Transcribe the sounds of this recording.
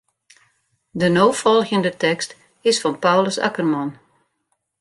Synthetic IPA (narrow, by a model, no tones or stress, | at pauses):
dənoːfɔlˠɣəndətɛkst | ɪsfɔnpawləsa̰kərmɔn